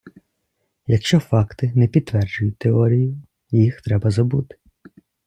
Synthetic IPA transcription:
jɐkʃt͡ʃɔfɑkt̪ɪnɛpʲid̪t̪ːʋɛrd͡ʒʊjʊt̪ːeɔɾʲijʊ | jixt̪ɾɛbɐzɐbut̪ɪ̥

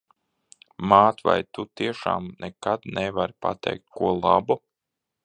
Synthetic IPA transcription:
maːt̪va̰jt̪ut̪iɛʃa̰ːmnʔɛkad̪nɛvaɾipa̰t̪ʰɛ̰jk̚t̪̚kuɔlˠa̰bu

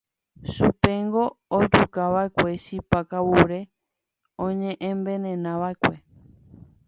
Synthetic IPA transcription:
supeŋɡo̞ːd͡ʒukaʋaekʷe̞ʃipakawuɾe̞ | õɲẽʔẽmbẽnẽnãʋaekʷe̞

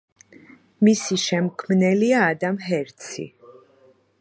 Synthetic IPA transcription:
misiʃɛmkʰmnɛliaːd̪amɦɛɾt̪sʰḭ

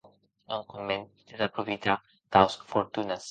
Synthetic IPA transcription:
nõŋkomẽnd̪ezapɾofit̪a | t̪awsfoɾt̪unas

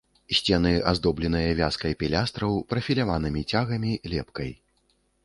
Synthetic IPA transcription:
sʲt͡sʲɛnɨʔa̰zd̪ɔblʲɛn̪ɐjɐvʲaskɐjpʲɛlʲast̪ɾɐwpɾɐfʲilʲavanɨmʲit͡sʲaɣɐmʲilʲɛpkɐj

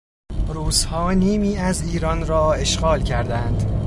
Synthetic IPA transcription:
ɾuːz̥hɒːniːmiːæziːɾɒnɾɒːe̞ʃɢɒːlcʰæɾd̪ænd̪

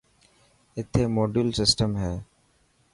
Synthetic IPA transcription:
ɪt̪ʰːeːmoːɖuːlsɪsʈəmɦɛː

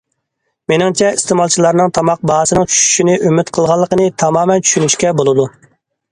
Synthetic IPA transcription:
menɪŋt͡ʃʰɛist̪emɑlˠt͡ʃʰilˠɑɾnɨŋt̪ʰɑmɑq̚bɑɦɑsɨnɨŋt͡ʃʰy̥ʃy̥ʃinɪʔymɪt̪qʰəlˠʁɑlˠːəqənɨt̪ʰɑmɑːmɛnt͡ʃʰy̥ʃynyʃkʲɛbolˠɨd̪u

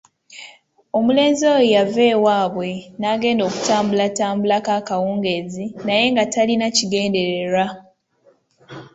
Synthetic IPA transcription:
o̞mule̞ːnzojojavewaːβwe̞naɡe̞ːndo̞ːku̥taːmbulataːmbulakaːkawuːŋɡe̞zinaje̞ŋɡatalinaciɡe̞ːnde̞ɾe̞ɾa

